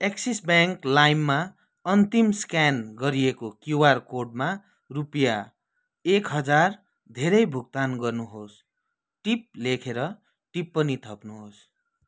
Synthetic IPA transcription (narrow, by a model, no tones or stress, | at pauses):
eksisbjaŋklajmːa | ʌnt̪imskanɡʌɾijekokjuwarkorɖ̚ma | rupja | ekɦʌd͡zar | d̪ʱeɾʌjbʱuk̚t̪anɡʌrnuɦos | ʈip̚lekʰeɾʌ | ʈipːʌnit̪ʰʌpnuɦos